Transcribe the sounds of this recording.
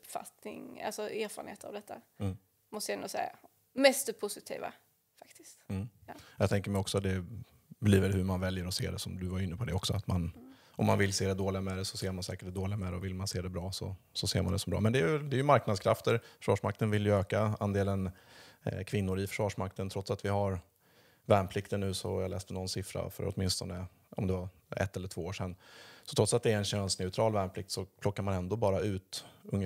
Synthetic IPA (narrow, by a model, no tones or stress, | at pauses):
pːfa̰t̪nɪ̰ŋa̰lsɔeɾfːɾənheːt̪əɾa̰vd̪ɛt̪ʰːa | mɔst̪ɛnd̪ʊsɛ̰jːa̰ | mɛst̪əpʰʊsɪt̪ʰḭːva̰ | fak̚t̪ɪ̥st̪̩ː | jɑt̪ʰɛŋkəɾmɛjɔksɔat̪̚d̪ɛ | bliːvəɾhɵɾmanvɛljəɾɔsḛːd̪ɛsɔmd̪ɵvajɪnːəpʰɔd̪ɛɔksɔat̪man | ʔɔmːanvɪlseːd̪ɛd̪oːlɪɡamɛd̪ɛsɔseːɾmansɛ̰ːkəʈd̪ɛd̪oːlɪɡamɛd̪ɛɔvɪlmanseːd̪ɛbɾɑːsɔ̰sɔsḛːɾmand̪ɛsɔmbɾɑ̰ːmɛnd̪ɛjd̪ɛjɵmaɾknad̪skʰɾa̰ft̪əɾfœ̥ʂɑːʂmak̚t̪ənvɪljəøːkaand̪eːlən | kʰvɪnːʊɾɪfœ̥ʂvɑːʂmak̚t̪ənt̪ʰɾɔt̪sat̪vɪhaɾ | væːɳmpʰlɪkt̪əɳːʉ̟ːsɔ̰jalɛːst̪ɛnɔnsɪfɾa̰fœ̰ɾɔ̰t̪mɪnst̪ɔnə | ɔ̰md̪ɛva | ɛ̰t̪ːɛlːəʈʰvoːoːʂɛnːsɔt̪ʰɾɔt̪sat̪d̪ɛæɾɛnɕɛnst̪nɛʊt̪ʰɾɑːlvæːɳpʰlɪk̚t̪sɔpʰlɔkːaɾmanɛnd̪oːbɑːɾaʉ̟ːt̪ɵŋː